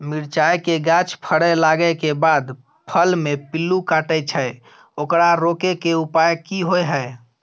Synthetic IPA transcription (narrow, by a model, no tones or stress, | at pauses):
miɾt͡ʃajkeɡãt͡ʃpʰəɽəlaɡəkebad̪ | pʰəlmepilːukaʈɛt͡ʃʰəj | okɾaɾokekeupajkiɦojɦəj